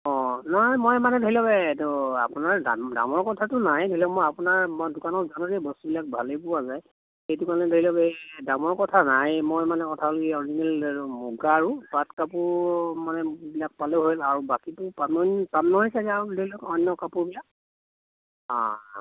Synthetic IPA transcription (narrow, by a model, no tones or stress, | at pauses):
ɔ̃naɦjmɔjmanɛdʱɔɦilɔbɛtɔapunaɹdamda̰mɔɹkɔtʰatʊnaɦɛdʱɔilɔkmɔjapʊnaɹmɔdʊkanɔzanudɛbɔstubilak̚bʱalepʊwazaj | xejtukalnɛdʱoilɔbɛdamɔɹkɔtʰanaɦɛmɔjmanɛkɔtʰaɔlokiɔɹizinɛlmuɡaːɹupatkapʊmanɛbilak̚paleɦojlaɹubakitʊpampamnɔɦɔjsazadʱoilɔkɔnːɔkapʊbilak̚ | ã̰